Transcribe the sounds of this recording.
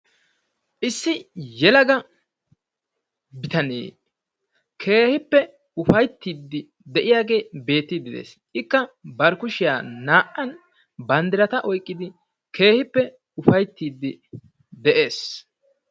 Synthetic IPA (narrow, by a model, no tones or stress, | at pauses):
ʔɪsːɪjɛlɐɡɐ | bɪt̪ɐnḛː | kʰe̞ːhɪpːɛ | ʊfɐjt̪ːiːd̪ːɪ | d̪ɛʔɪjaːɡe̞ːbe̞ːt̪ːɪd̪ɪd̪ḛːs | ɪkːɐbɐɾkʊʃɪjaːnaːʔːɐn | bɐnd̪ɪɾɐt̪ɐʔɔjkʼːɪd̪ɪ | kʰe̞ːhɪpːɛ | ʊfɐjt̪ːiːd̪ːɪ | d̪ɛʔe̞ːs